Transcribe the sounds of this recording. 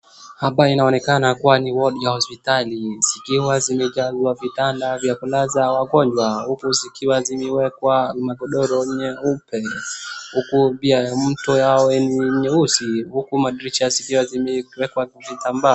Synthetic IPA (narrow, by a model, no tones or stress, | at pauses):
haɓainaɔnɛkanakuwaniwɔɗijahɔspitaliz̥ikiwazimɛd͡ʒazwavitandavjakulazawaɡɔɲd͡ʒwahukuzikiwazimɛwɛkwamaɡɔɗɔɾɔɲɛupɛhukubiajam̩tɔjawɛniɲɛusihukumaɗɾit͡ʃazikiwazimɛwɛkwavitamba